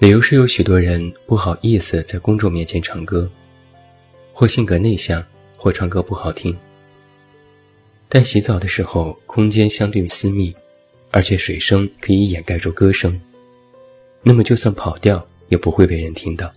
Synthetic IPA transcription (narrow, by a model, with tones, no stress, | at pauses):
li˨˩jo˧˥ʊʂɻ̩˥˩jo˧˥ʊɕy˨˩t̪wɔ˥ɻə˧˥npu˥˩xɑ˨˩ʊʔi˥˩sɹ̩˨˩t͡sa˥˩ɪkʊ˥ŋt͡swɔ˥˧mjɛ˥˩nt͡ɕʰjɛ˧˥nʈ͡ʂʰɑ˧˥ŋkɤ˥ | xwɔ˥˧ɕi˥˩ŋkɤ˧˥ne˥˧ɪɕjɑ˥˩ŋ | xwɔ˥˩ʈ͡ʂʰɑ˧˥ŋkɤ˥pu˥˩xɑ˨˩ʊt̪ʰi˥ŋ | t̪a˥˩nɕi˧˥t͡sɑ˨˩ʊd̪ə˦ʂɻ̩˧˥xo˥˧ʊkʰʊ˥ŋt͡ɕjɛ˥nɕjɑ˥ŋt̪we˥˩ɪy˧˥sɹ̩˥mi˥˩ | ə˞˧˥t͡ɕʰjɛ˧˥ʂwe˨˩ɪʂɤ˥ŋkʰɤ˧˥i˧˥jɛ˨˩nka˥˧ɪʈ͡ʂʰu˥˩kɤ˥ʂɤ˥ŋ | na˥˩mə˩t͡ɕjo˥˧ʊswa˥˩npʰɑ˨˩ʊt̪jɑ˥˩ʊ | jɛ˨˩pu˧˥xwe˥˧ɪpe˥˩ɪɻə˧˥nt̪ʰi˥ŋt̪ɑ˥˩ʊ